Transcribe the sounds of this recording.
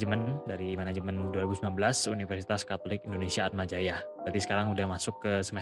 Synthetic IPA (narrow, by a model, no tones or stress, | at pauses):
d͡ʒəmandaɾiːmanad͡ʒəmanduaɾibusmilanbəlasunifərsit̪askat̪olɪkindonesiaːt̪̚mad͡ʒajabɾat̪isə̥kaɾaŋudahmasʊkːəsəmɛ